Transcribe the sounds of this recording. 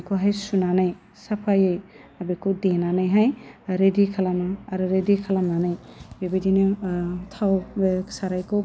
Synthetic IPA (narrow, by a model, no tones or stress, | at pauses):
kʰuɦajsunanaj | sapʰajɯjabekʰuwdenanajɦajɾedikʰalamaːɾɯɾedikʰalamnanajbebedinɯtʰawbe̥saɾajkʰɯ